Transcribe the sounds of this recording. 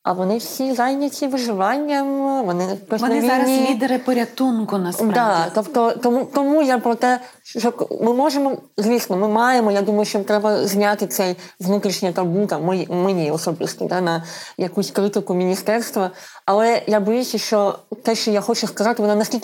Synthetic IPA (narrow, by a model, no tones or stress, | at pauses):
ɐ̰ʋɔnɪwsʲizajnʲɐt͡sʲiʋɪʒɪʋɑnʲːɐmʋɔnɪjɐkɔsʲnɐɪʋʲiɾɐnʲilʲid̪ɐɾɪpɔɾʲɐt̪unkʊnɐsd̪at̪ɔpt̪ɔt̪ɔmut̪ɔmujapɾɔt̪ɛ | ʃt͡ʃɔkmɪmɔʐemɔzʲʋʲisnɔmɪmɑjemɔjad̪umɐjʊʃt͡ʃɔt̪ɾɛbɐzʲnʲat̪ɪt̪sɛjʋnut̪ɾʲiʃnʲɪjɐt̪ɐrbunt̪ɐmmɪmɪnʲiɔsɔbɪst̪ɔ̰d̪anɐjɐkusʲkɾɪt̪ɪkʊmʲinʲist̪ɛrst̪ʋɐ | ɐlˠɛjabɔjusʲɐʃt͡ʃɔt̪ɛʃt͡ʃɔjaxɔt͡ʃʊskɐzɑt̪ɪʋɔnɔnɐsʲkʲilʲk